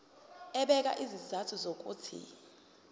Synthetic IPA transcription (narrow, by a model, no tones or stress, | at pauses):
ɛɓɛk̬ʼa̰ʔizizatʰuzok̬ʼuːtʰḭ